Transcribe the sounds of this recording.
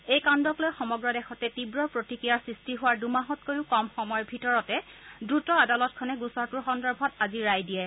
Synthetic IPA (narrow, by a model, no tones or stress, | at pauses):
ejkandɔklojxɔmɔɡɹɔdɛxɔtɛtibɹɔpɹotikɹijaɹsɹistiɦʊwaɹdumaɦɔtkoɹiʊkɔmxɔmɔjbʱitɔɹɔtɛdɹutɔadalɔt̚kʰɔnɛɡusɔɹtʊɹxɔndɔɹbʱɔtaziɹajdijɛ